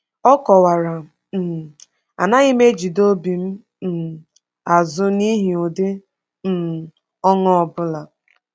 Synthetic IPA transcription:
ɔ˦kɔ˨wa˨ɾa˨ | m̩˨ | a̰˨na˦ɣi˦me˦d͡ʒi˨do˦bi˨m̩˦ | m̩˨ | a˨zʊ˦ni˦ɦi˨ʊ˨dɪ˦ | m̩˦˨ | ɔ˦ŋɔ˦ɔ˨bʊ˦la˨

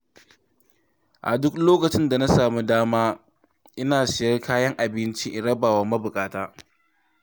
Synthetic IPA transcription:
ʔa̰˨dʊ˦kloː˦kɐ˨t͡ʃɪ˦nda˨na˦saː˨mu˦daː˦maː˦ | ʔɪ˦naː˨sɪ˨jɐ˦rkʰaː˦jɐ˦ŋʔa˨bɪ˦nt͡ʃi˦ʔɪ˨ɽɐ˦baː˨wɐ˨mɐ˦bʊ˨kʼaː˦taː˦

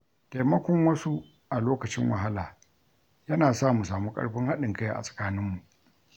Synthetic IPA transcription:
ta˨mɐ˦kʷɔ˦ŋwɐ˦su˦ | ʔa˨loː˦kɐ˨t͡ʃɪ˦ŋwɐ˨ɦa˦laː˨ | jɐ˦naː˨saː˦˨mu˨saː˨muː˦kʼɐ̰˦ɽɸɪ˦ŋha˦ɗɪ˨ŋka˦ja˨ʔa̰˨sʼɐ̥˨kaː˦nɪ˦mːu˨ʔ

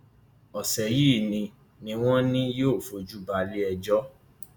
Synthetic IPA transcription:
ɔ˨sɛ˨ji˦˨nĩ˧ | nĩ˧˦w̃ɔ̃˦nĩ˦joː˦˨fo˧d͡ʒu˦ba˧li˦ɛ˧d͡ʒɔ˦

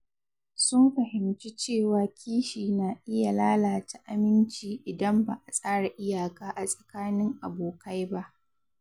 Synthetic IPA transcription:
sʊ˦mɸɐ˨hɪ˨mt͡ʃi˦t͡ʃeː˦˨waː˨kʲiː˦ʃiː˨naː˨ʔɪ˦ja˨laː˦laː˨ta˨ʔa˨mɪ˦nt͡ʃiː˨ʔɪ˨dɐ˦mba˨ʔa˨sʼaː˦ɽa˨ʔɪ˦jaː˨kaː˦ʔa˨sʼɐ̥˨kaː˦nɪ˦ŋʔa˨boː˨kʰa˦jba˦ʔ

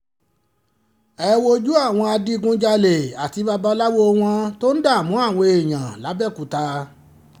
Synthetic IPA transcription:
ɛ˦˧wo˧d͡ʒu˦a˦˨w̃ɔ̃˧a˧di˦˧ɡũ˦d͡ʒa˧le˨a˨ti˧ba˧ba˧la˦wo˦˧w̃ɔ̃˧to˦n̩˦da˦˨mũ˨˦a˦˨w̃ɔ̃˧e˨j̃ã˨la˨˦bɛ˦˨ku˨˦ta˧

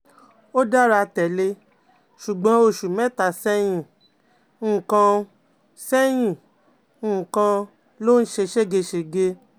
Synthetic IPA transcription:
o˦da˦ɾa˧tɛ˨le˧ | ʃu˨ɡ͡bɔ̃˨˦o˧˨ʃu˨mɛ̃˦ta˨sɛ˦j̃ĩ˦˨˦ | kã˧ | sɛ˦j̃ĩ˦˨˦ | kã˧ | lo˦n̩˦ʃe˧ʃe˦ɡe˧ʃe˧ɡe˧

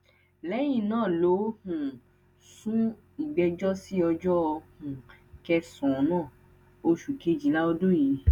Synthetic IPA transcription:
lɛ˦j̃ĩ˦˧˨nãː˦˨lo˨˦hũ˨ | sũ˦ | i˨ɡ͡bɛ˧d͡ʒɔ˦si˦ɔ˧d͡ʒɔ˦ɔ˧hũ˨kɛ˧sɔ̃˨˦nãː˦˨ | o˧ʃu˨ke˨˦d͡ʒi˨˦la˦ɔ˧do˦ji˨˦

